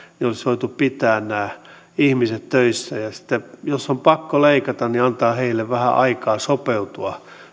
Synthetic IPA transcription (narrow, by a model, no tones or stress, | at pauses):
niolisʋoit̪uppit̪æːnnæː | ihmiset̪tøisːæjɑsi̥t̪ːejosːompɑkːoleikɑt̪ɑnniɑnt̪ɑːheilːeʋʋæhæ̰ʔɑikɑːsopeut̪uɑ